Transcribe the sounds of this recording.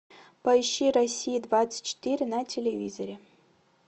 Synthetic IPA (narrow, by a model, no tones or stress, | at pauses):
pɐiɕːiɾɐsʲijid̪vat̪sɨ̥tʲt͡ɕːɪ̥t̪iɾʲɪnatʲʰelʲevʲḭzoɾʲe